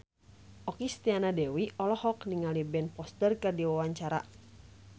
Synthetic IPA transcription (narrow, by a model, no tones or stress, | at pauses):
ʔɔkist̪ianadɛwiʔɔlɔhɔkniŋalibɛnpɔst̪ərkɨrdiwawaɲt͡ʃaɾa̰